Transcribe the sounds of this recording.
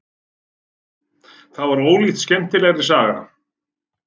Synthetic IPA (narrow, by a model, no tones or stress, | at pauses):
θaðvaɾoːwlit̪scɛm̥t̪ɪlɛɣɾɪ̥saːɣaɾa̰